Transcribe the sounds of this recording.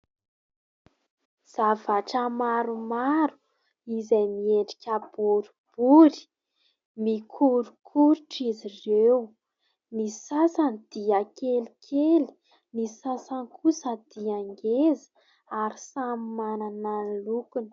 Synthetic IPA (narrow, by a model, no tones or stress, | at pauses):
z̥avaʈ͡ʂəmaɾumaɾu̥ | izajmieɳɖ͡ʐi̥kʲəb̥uɾib̥uɾi̥ | mikʰuɾukʰuɾuʈ͡ʂizirew | nisasanid̪̥iakelikʰeli̥ | nisasankʰusəd̪̥iaŋɡezə̥ | aɾisamimanananlukunə̥